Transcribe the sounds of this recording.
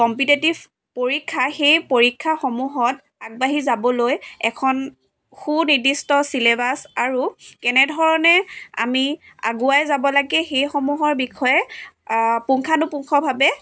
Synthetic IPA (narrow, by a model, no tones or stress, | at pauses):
kɔmpitetiv | poɹikʰːaxejpoɹikʰːaxɔmuɦɔt | aɡ̚baɦizabɔlojɛkʰɔn | xuniɹdistɔsilebasaɹukɛnɛdʱɔɹɔnɛa̰mi | a̰ɡuajzabɔlaɡɛxejxɔmuɦɔɹbikʰɔjɛ | puŋkʰanʊpuŋkʰɔbʱabɛ